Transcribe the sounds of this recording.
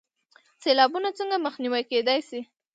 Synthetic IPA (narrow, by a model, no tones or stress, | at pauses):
selɑbunat͡səŋɡaməxniwajked̪ɑjsi